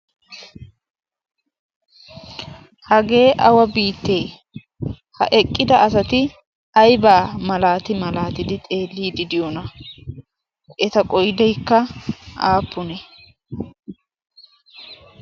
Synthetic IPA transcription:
hɐɡe̞ːʔɐwɐbiːt̪ːeː | hɐ̰ʔɛkʼːɪd̪ɐʔɐsɐt̪ɪ | ɐjbaːmɐlaːt̪ɪmɐlaːt̪ɪd̪ɪt̪ʼe̞ːlːiːd̪ɪd̪ɪjɔnɐ | ʔɛt̪ɐkʼɔjɪd̪ɛjkːɐaːpːʊnɛ

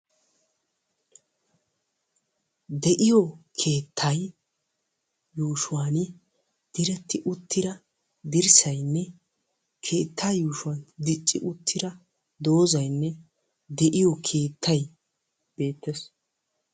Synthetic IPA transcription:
d̪ɛʔɪjɔkʰe̞ːt̪ʰːɐj | juːʃʊwaːn | d̪̥ɪɾɛt̪ːɪʔʊt̪ːɪd̪ɐ | d̪ɪɾsɐjnːɛ | kʰe̞ːt̪ʰːaːjuːʃʊwɐnd̪ɪt͡ʃʼːɪ̰ʔʊt̪ʰːɪɾɐ | d̪o̞ːzɐjnːɛ | d̪ɛʔɪjɔkʰe̞ːt̪ʰːɐj | b̥e̞ːt̪ːɛs

